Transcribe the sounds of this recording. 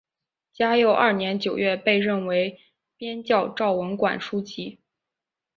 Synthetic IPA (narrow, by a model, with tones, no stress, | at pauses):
t͡ɕja˥jo˥˩ʊʔɐ˞˥˩njɛ˧˥nt͡ɕjo˨˩ʊɥɛ˥˧pe˥˧ɪɻə˥˩nwe˧˥ɪ | pjɛ˥nt͡ɕjɑ˥˧ʊʈ͡ʂɑ˥˩ʊwə˧˥nkwa̰˨˩nʂu˥t͡ɕi˧˥